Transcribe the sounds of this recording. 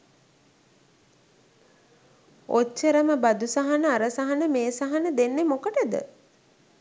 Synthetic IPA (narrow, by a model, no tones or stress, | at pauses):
ot͡ʃːəɾəməbad̪usaɦanəaɾəsaɦanəmeːsaɦanəd̪enːemokəʈəd̪ə̰